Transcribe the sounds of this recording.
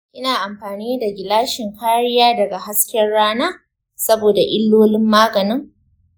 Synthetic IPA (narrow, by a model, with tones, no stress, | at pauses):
ʔɪ˦naː˨ʔa˨mɸaː˨niː˦da˨ɡʲɪ˨laː˦ʃɪ˨ŋkʰaː˦ɽɪ˦jaː˦dɐ˨ɡa˨ɦa˦skʲɛ˦rɽaː˦naː˦ | sɐ˦boː˨da˨ʔɪ˦lːoː˦lɪ˦mːaː˦ɡɐ˨nɪ˦ŋ